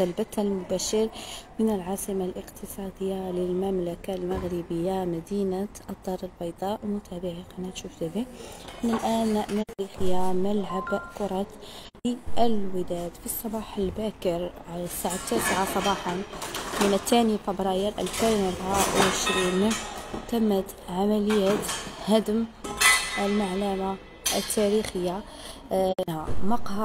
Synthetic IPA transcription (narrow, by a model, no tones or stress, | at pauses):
albat̪almʊbaːʃɪɾmɪnɪlʕaːsɪmalʔɪqt̪ɨsˤɑːd̪ɪjːalɪlmamlakalmaɣɾɪbɪjːamad̪iːnaʔɑd̪ˤːɑːɾˤɪlbɑjd̪ˤɑːʔwmʊt̪ʰaːbɪʕaqʔanat̪ʃuːfzad̪iʔɪnɪlʔaːnʔmɪɣlixɪjamalʕabʔkʊɾˤɑt̪ | liʔɪlwəd̪æd̪fisˤːɑbɑħəlbækəɾʕasaʕat̪ːæsʕasˤɑbɑħɑnmənət̪ʰːænifəbɾˤɑjəɾʔæ̰lfenəbawʕəʃɾint̪ːæmːət̪ʕamæləjːæt̪hæd̪əm | ʔəlmaʕlæma | ʔət̪ʰːæɾixəjːa | hamɑqh